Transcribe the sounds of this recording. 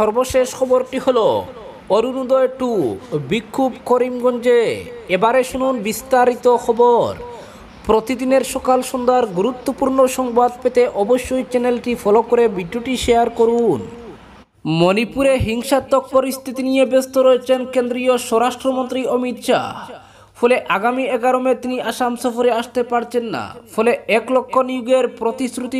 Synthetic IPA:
ʃɔɾboʃeʃkʰɔboɾʈiholo | oɾunud̪ɔeʈubikʰːubkoɾimɡond͡ʑeebaɾeʃununbist̪aɾit̪okʰɔboɾ | pɾot̪id̪ineɾʃɔkalʃond̪aɾɡuɾut̪ːopuɾnoʃɔŋbad̪̚pet̪eʔɔboʃːojt͡ɕɛnelʈifʰɔlokoɾebiɖuʈiʃeaɾkoɾun | monipuɾeɦiŋʃat̪ːok̚poɾist̪ʰit̪inijebest̪oɾoet͡ɕʰenkend̪ɾioʃɔɾaʃʈɾomont̪ɾiomit̪ʃa̰ | fʰoleʔaɡamiɛɡaɾomet̪iniaʃamsɔfoɾeaʃt̪epaɾt͡ɕʰenːa̰fʰoleɛklokʰːoniuɡeɾpɾot̪isɾut̪i

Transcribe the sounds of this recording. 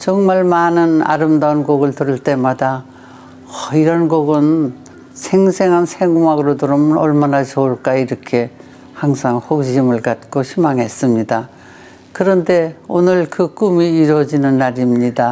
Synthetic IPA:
t͡ɕʌŋmaɭmanɯna̰ɾɯmdaɯnɡoɡɯɭtɯɾɯɭt͈e̞mada | ʌiɾʌnɡoɡɯn | sʰeŋsʰe̞ŋɦansʰeŋumaɡɯɾodɯɾɯmnʌɭmanat͡ɕʌuɭk͈aiiɾʌkʰe̞ | haŋsʰaŋɸoɡɕimɯɭkat̚k͈oɕʰimaŋɦe̞s͈ɯmɲida | kɯɾʌnde̞onɯɭkɯk͈umiːɾwʌd͡ʑinɯnːaɾimɲida

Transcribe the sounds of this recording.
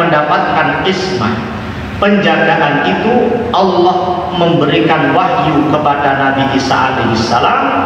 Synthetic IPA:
əndapat̪̚kanɪsma̰h | pəɲd͡ʒaɡaʔanit̪uʔɑlːɔhməmbəɾikanwahjukəpadanabiʔisa̰ʔa̰leɦisːalam

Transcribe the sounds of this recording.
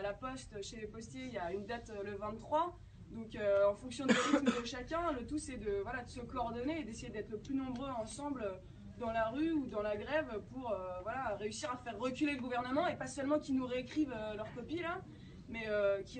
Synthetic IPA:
alapɔst̪ʃelepɔst̪jejaynd̪at̪ləvɛ̃t̪ːχwa | d̪ɔ̃køɑ̃fɔ̃ksjɔ̃d̪eʁit̪məd̪əʃakʲɛ̃lət̪usɛd̪əvwalad̪əsəkɔɔʁd̪ɔneːd̪esejed̪ɛt̪χəplynɔ̃bʁøɑ̃sɑ̃blø | d̪ɑ̃laʁyud̪ɑ̃laɡʁɛvpuʁøvwalaʁeysiʁafɛʁːəkʲyleləɡuvɛʁnəmɑ̃epasœlmɑ̃kʲinuʁeːkχivølœʁkɔpila | mɛøkʲi

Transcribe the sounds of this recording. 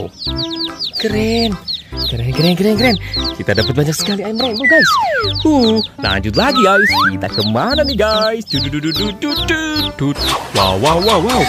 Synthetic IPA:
kəɾenkəɾenkəɾenkəɾenkəɾenkit̪adapət̪̚baɲarsə̥kaliaiməɾɛboɡajsula̰ɲd͡ʒʊt̪̬laɡiɡajskit̪a̰kəmananiɡajsd͡ʒ̥ududududududud̪̥ut̪̚wa̰wawwawaw

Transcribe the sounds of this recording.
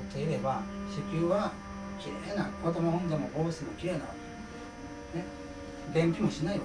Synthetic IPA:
t̪ːeiɾe̞baɕikʲɨːβa | kʲiɾenakot̪omoõnd̪emoboːsɨnokʲiɾena̰ | ne | bẽmpʲimõɕinai

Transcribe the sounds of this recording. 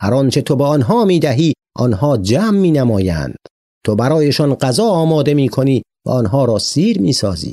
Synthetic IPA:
hæɾɒnt͡ʃʰe̞t̪ʰobeɒnɦɒːmiːd̪æɦiː | ʔɒ̰ːnhɒːd͡ʒæːmːiːnæmɒːjæ̰nd̪̥ | t̪ʰobæɾɒːjeʃɒnɢæzɒːɒːmɒːd̪e̞miːkʰo̞niː | væ̰ʔɔːnɦɒːɾɒːsiːɾmiːsɒːzḭː

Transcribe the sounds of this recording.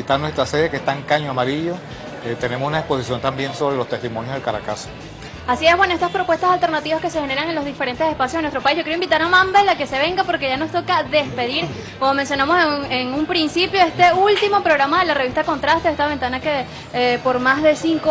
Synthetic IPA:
it̪anwest̪ɾaseðekest̪aŋkaɲoamaɾiʎo | et̪e̞ne̞mosunaespo̞sisjo̞nt̪ambje̞nso̞βɾelost̪est̪imonjoðelkaɾa̰kaso̥ | asie̞hβwe̞noest̪aspɾo̞pwe̞st̪asalt̪e̞ɾnat̪iβaske̞se̞xe̞ne̞ɾaŋe̞nlo̞zðife̞ɾe̞nt̪esespas̬joðnwet̪ɾopaisʝokjeɾoimbit̪aɾamambelake̞se̞βe̞ŋɡapo̞ɾkeʝano̞st̪o̞kaðe̞spe̞ðiɾ | ko̞momensjonamo̞seeŋumpɾinsipjo̞e̞st̪e̞ult̪imo̞pɾo̞ɣɾamaðe̞lareist̪ako̞nt̪ɾast̪eest̪aβe̞nt̪anake | po̞ɾmazðe̞siŋko

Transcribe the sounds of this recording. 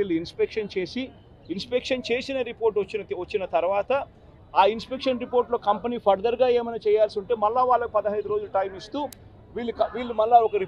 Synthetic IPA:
iːlːuinspekʂɐnt͡ʃe̞ːsi | inspekʂɐnt͡ʃe̞ːsinɐɾipo̞ːɾʈt͡ʃːiɐt͡ʃːinɐt̪ɐɾʋaːt̪ɐ | aːinspekʂɐnɾipo̞ːɾʈlo̞ːkɐmpɐniːpʰɐɾd̪ɐɾɡaːeːmɐjnɐt͡ʃɛːjaːlsiuɳʈe̞ːmɐlːaːʋaːɭːɐkipɐd̪ɐɦɐjd̪uɾo̞ːd͡ʒuluʈɐjmist̪uː | ʋiːɭːikɐʋiːɭːumɐlːaːɔkɐɾi

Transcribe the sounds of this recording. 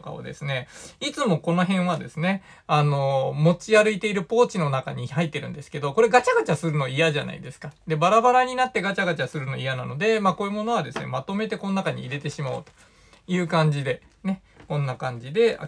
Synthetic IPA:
ka̰o̰d̪e̞̰sɨne̞it͡sɨmo̞ko̞no̞ɦẽ̞ɰ̃βad̪e̞sɨne̞ | ano̞mo̞t͡ɕiaɾɯ̟it̪e̞iɾɯ̟po̞ːt͡ɕino̞naka̰ɲ̟ihait̪ːe̞ɾɯ̟̃nd̪e̞sɨ̥ke̞d̪o̞ko̞ɾe̞ɡat͡ɕaɡat͡ɕasɨɾɯ̟no̞ijaʑana̰ḭd̪e̞sɨ̥kad̪e̞baɾabaɾaɲ̟inat̪ːe̞ɡat͡ɕaɡat͡ɕasɨɾɯ̟no̞ijanano̞d̪e̞maːko̞ːjɯmo̞no̞βad̪e̞sɨne̞̰mat̪o̞me̞t̪e̞ko̞nonakaɲ̟ḭːɾe̞t̪e̞ɕimaɯ̟t̪o̥ | jɯ̟ːkãɲ̟d͡ʑid̪e̞ | ne̞ | kõ̞nːakãɲ̟d͡ʑid̪e̞a̰

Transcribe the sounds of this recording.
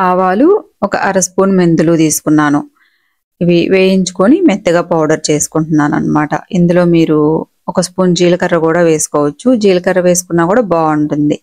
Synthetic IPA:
aːʋaːluɔkɐ̰ʔɐɾɐspuːnmend̪ulut̪iːsu̥kunːaːnu | iʋiʋeːjiɲt͡ʃu̥ko̞nimɛt̪ːɐɡaːpɐwɖɐɾt͡ʃe̞ːsu̥kuɳʈunːaːnɐ̰nːɐmaːʈɐ̰ʔind̪ulo̞ːmiːɾu | ɔkɐspuːnd͡ʒiːlɐkɐrːɐkuːɽaːʋe̞ːsu̥kɔːʋɐt͡ʃːud͡ʒiːlɐkɐrːɐʋe̞ːs̬u̥kunːaːkuːɽaːbaːuɳʈund̪i

